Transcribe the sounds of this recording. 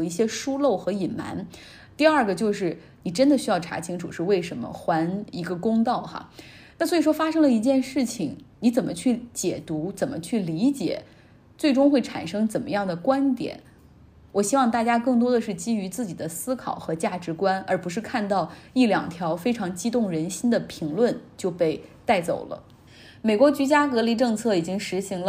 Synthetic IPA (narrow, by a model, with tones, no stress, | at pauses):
i˥˩ɕjɛ˥ʂu˥lo˥˩ʊxɤ˧˥i˨˩nma̰˧˥n | t̪i˥˧ɐ˞˥˩ɡə˩t͡ɕjo˥˧ʊʂɻ̩˥˩ | ni˨˩ʈ͡ʂə˥nd̪ə˨˩ɕy˥jɑ˥˩ʊʈ͡ʂʰa̰˧˥t͡ɕʰi˥ŋʈ͡ʂʰṵ˨˩ʂɻ̩˥˧we˥˩ɪʂə˧˥nmə̰˧xwa˧˥ni˧˥ɡə˧kʊ˥ŋt̪ɑ˥˩ʊxa̰˩ | na˥˩swɔ˧˥i˨˩ʂwɔ˥fa˥ʂɤ˥ŋlə˨i˧˥t͡ɕjɛ˥˧nʂɻ̩˥˩t͡ɕʰi˨˩ŋni˧˥t͡sə˨˩nmʔə˦t͡ɕʰy˥˩t͡ɕjɛ˨˩t̪u˧˥t͡sə˨˩nmə̰˦t͡ɕʰy˥˩li˧˥t͡ɕjɛ̰˨˩˦ | t͡swe˥˩ɪʈ͡ʂʊ˥ŋxwe˥˩ɪʈ͡ʂʰa̰˨˩nʂɤ˥ŋt͡sə˨˩nmə˦jɑ˥˩ŋd̪ə˩kwa˥nt̪jɛ̰˨˩˦n | wɔ˨˩ɕi˥wɑ˥˧ŋt̪a˥˩t͡ɕja˥kɤ˥˩ŋt̪wɔ˥d̪ə˨ʂɻ̩˥˩t͡ɕi˥y˧˥t͡sɹ̩˥˩t͡ɕi˨˩d̪ə˦sɹ̩˥kʰɑ̰˨˩ʊxɤ˧˥t͡ɕja˥˩ʈ͡ʂɻ̩˧˥kwa˥nə˞˧˥pu˧˥ʂ̬ɻ̩˥˧kʰa˥˧nt̪ɑ˥˩ʊi˥˩ljɑ̰˨˩ŋt̪ʰjɑ˧˥ʊfe˥ɪʈ͡ʂʰɑ˧˥ŋt͡ɕi˥t̪ʊ˥˩ŋɻə˧˥nɕi˥nd̪ə˨pʰi˧˥ŋlwə˥˧nt͡ɕjo˥˧ʊpe˥˧ɪt̪a˥˩ɪt͡so̰˨˩ʊlə̰˦ | me˨˩ɪkwɔ˧˥t͡ɕy˧˥t͡ɕja˥kɤ˧˥li˧˥ʈ͡ʂɤ˥˧ŋt͡sʰɤ˥˩i˨˩t͡ɕi˥ŋʂɻ̩˧˥ɕi˧˥ŋl